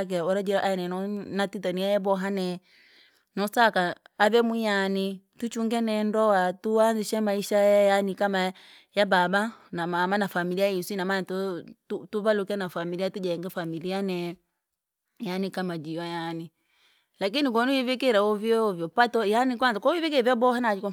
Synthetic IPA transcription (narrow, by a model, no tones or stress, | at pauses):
k̬ɛɔɾad͡ʒɛɾɔʔaɛnɛnɔnatitɔniaɛbɔɦanɛ | nɔsakaaβɛmujani | tut͡ʃuŋɡɛnɛndɔwatuanziʃɛmaiʃajajanikama | jababanamamanafamiliaisinamanatɔtutuβalukɛnafamiliatud͡ʒaɛŋɡafamilianɛ | janikamad͡ʒiwajani | lakinik̬ɔnuwivikiɾaɔvjɔvjɔpatɔjanik̬wanzakɔivik̬iɾɛvɔbɔhanaikɔ